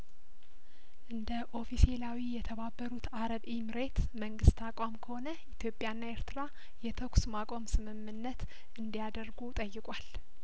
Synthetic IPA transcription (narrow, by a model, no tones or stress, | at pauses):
ʔɨnd̪əʔo̞fiselawijɛt̪ʰəβabːəɾut̪aɾəβimɨɾet̪məŋɡɨst̪akʼamkʰəho̞nəʔit̪ʰjo̞pʼːjanːae̞ɾt̪ʰɨɾa | jɛt̪ʰəksmakʼo̞msɨmɨmːɨnːət̪ | ʔɨnd̪ijad̪əɾɡut̪ʼəjːɪkʼal